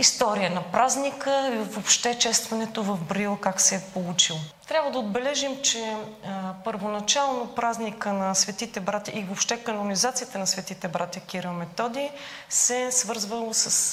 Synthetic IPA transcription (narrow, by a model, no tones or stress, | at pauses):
ist̪ɔɾijənɐpɾaznikəvopʃt̪ɛt͡ʃɛst̪vɐnɛt̪ovɐvbɾilˠkaksɛpolˠut͡ʃilˠot̪ɾʲabvəd̪əod̪̚bɛlɛʒimt͡ʃɛ | pəɾvonɐt͡ʃalˠnopɾaznikənɐsvɛt̪it̪ɛbɾat̪ʲə̰ʔivopʃt̪ɛkɐnonizat̪sijət̪ənɐsvɛt̪it̪ɛbɾat̪ʲjəkiɾəmɛt̪ɔd̪i | sɛsvɤɾzvəlˠosɐs